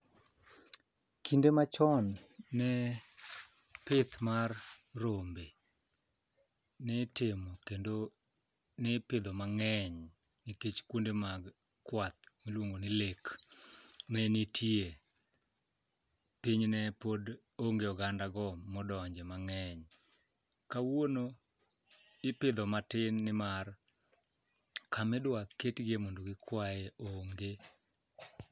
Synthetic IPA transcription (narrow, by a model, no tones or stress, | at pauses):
kʰindemat͡ʃɔnnɛ | pɪt̪marːombe | nɪtɪmɔkendo | nɪpɪd̪ɔmaŋɛɲ | niket͡ʃkundemaɡ | kwat̪̚milwoŋɡonɪlek | ŋɛnitʰje | piɲnɛpod | oŋɡeɔɡandaɡɔmɔdɔaɲd͡ʒɛmaŋɛɲ | kawono | ɪpɪd̪ɔmatɪnːɪmar | kʰamɪdwaketɡemɔndoɡɪkwajeʔoŋɡe